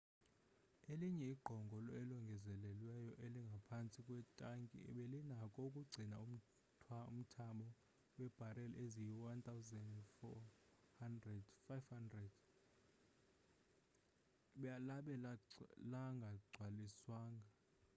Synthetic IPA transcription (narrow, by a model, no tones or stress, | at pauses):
eliɲɛiɡ͡ǃʱɔŋɡʱɔlɔɛlɔŋɡʱɛzɛlɛlwɛjɔʔeliŋɡʱapʰant͡sʼikʼwɛtʼaŋkʼḭɛ̰ɓɛlinakʼɔukʼuɡ͡ǀʱinaum̩ʰ | um̩tʰaɓɔ | wɛb̥ʱaɾɛlezijiwant̪ʰawzɛndfɔ | handrɛdfajfhandrɛd̥ | ɓjalaɓɛlalaŋɡʱaɡ͡ǀʱwaliswaːŋɡʱa